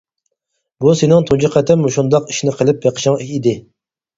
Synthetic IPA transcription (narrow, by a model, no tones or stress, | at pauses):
busenɪŋt̪ʰod͡ʒiqʰæt̪ʰɪmːuʃund̪ɑqi̥ʃnɪqʰəlˠɪp̚jeqʰə̥ʃɪŋid̪ɪ